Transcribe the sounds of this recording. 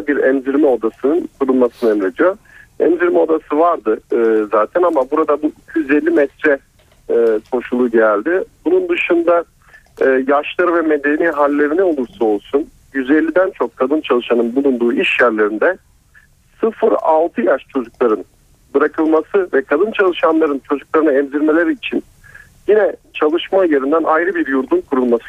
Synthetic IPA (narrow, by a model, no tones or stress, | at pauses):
biɾɛmziɾmɛo̞d̪asɯnɯnkʰuɾunˠmasɯnɯɛmɾe̞d̪ijo̞ | ɛ̰mziɾmɛo̞d̪asɯvaɾd̪ɯzaːt̪ʰɛnamabuɾad̪abuicʰyjyzelʲːimɛt̪ʰɾɛ | kʰo̞ʃulˠuɟæælʲd̪ɪbunund̪ɯʃɯnd̪aː | jaʃlˠaɾɯvɛme̞d̪e̞niːɦalʲːe̞ɾinɛo̞lˠuɾsɯo̞lˠsun | jyzelʲːid̪ænt͡ʃʰokʰːad̪ɯnt͡ʃʰalˠɯʃanɯnbulˠund̪uːiʃjæɾlʲeɾind̪ɛ | sɯfɯɾa̰lˠt̪ʰɯjaʃt͡ʃʰo̞d͡ʒuklˠaɾɯn | bɯɾakʰɯlˠmasɯvɛkʰad̪ɯnt͡ʃʰalˠɯʃanlˠaɾɯnt͡ʃʰo̞d͡ʒuklˠaɾɯnaɛmziɾme̞lʲe̞ɾiːt͡ʃʰin | jinɛt͡ʃʰalˠɯʃmaje̞ɾind̪ænʔajɾɯbiɾjuɾd̪unkʰuɾulˠmasɯ̥